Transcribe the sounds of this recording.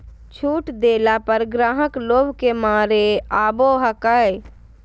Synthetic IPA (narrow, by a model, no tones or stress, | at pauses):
t͡ʃʰuːʈd̪eːlapəɾɡɾaːɦəkloːbʱkemaːɾeaːboːɦəkəe